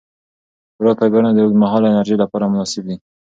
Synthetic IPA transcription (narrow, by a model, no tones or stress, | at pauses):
bɾɑt̪aɡanad̪əmaɦɑlɪnaɾʒejlapɑɾamʊnɑsɪb̚d̪i